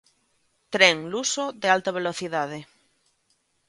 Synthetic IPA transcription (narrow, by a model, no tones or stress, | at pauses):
t̪ɾeŋlusoðealt̪aβ̞eloθiðað̞e